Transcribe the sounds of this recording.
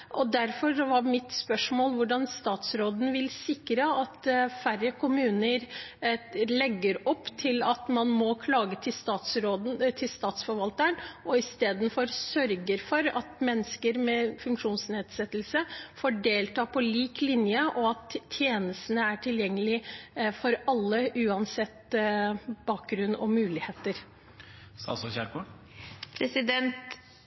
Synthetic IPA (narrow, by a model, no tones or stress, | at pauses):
ʔɔd̪æɾfɔɾʋɑmɪt̪spœʂmoːlʋʊɖɑnst̪ɑːt̪sɾoːd̪n̩ʋɪlsɪkɾəɑt̪færəkʰʊmʉːnəɾ | lɛɡːəɾɔpːt̪ʰɪlɑt̪mɑnmɔkʰlɑːɡət̪ʰɪst̪ɑːt̪sɾoːd̪n̩t̪ʰɪlst̪ɑːt̪sfɔɾʋɑlt̪əɳʔɔɪst̪eːd̪n̩fɔɾsœɾɡəɾfɔɾɑ̰t̪mɛnːəskəɾmɛfʉŋkʂuːnsneːd̪sɛt̪ːəlsəfoːɖeːlt̪ʰɑːpʰɔliːklɪnjəʔɔɑt̪ʰːjeːnəst̪ənəæʈʰɪljɛŋːəlɪfɔɾɑlːəʔʉːɑnsɛt̪ː | b̥ɑːk̚ɡɾʉnːɔ̰mʉːlɪheːt̪əɾ | sɑ̰sɔçælkʰɔɖ | pʰɾɛsɪd̪ɛnt̪